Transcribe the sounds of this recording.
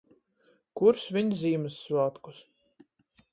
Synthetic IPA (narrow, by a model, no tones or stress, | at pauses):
kuɾsvʲiɲzʲiːmɨsːvaːt̪kus